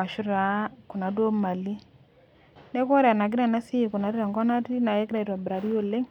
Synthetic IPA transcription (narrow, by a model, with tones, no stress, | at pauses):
a˨ʃʊ˦ɾa˨˦kʊ˨na˨d̬o˦ma˨li˦ | nɛ˦kwɔ˦ɾɛ˨a˨na˨ɡɪ˦ɾa˨na˦si˦˨ku˨na˨˦dɪɾa˨ŋɡɔ˦na˦ti˦na˨je˦kɪ˦ɾa˦˨i˨twa˨bɾa˨ɾi˦o˦lɪ˦ŋ